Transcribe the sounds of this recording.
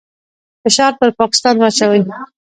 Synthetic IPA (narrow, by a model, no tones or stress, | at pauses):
fɪʃɑɾp̪əɾpɑkɪ̥st̪ɑnwɑt͡ʃawəj